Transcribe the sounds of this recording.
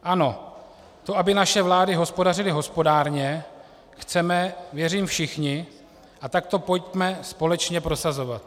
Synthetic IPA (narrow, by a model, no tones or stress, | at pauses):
ʔano̞ | t̪o̞ʔabɪnaʃɛvlaːdɪɦo̞spo̞darɪlɪɦo̞spo̞daːɾɲɛ | xt͡sɛmɛvjɛriːmfʃɪxɲɪ | ʔat̪ak̚t̪o̞po̞jcmɛspo̞lɛt͡ʃɲɛpɾo̞sazo̞vat̪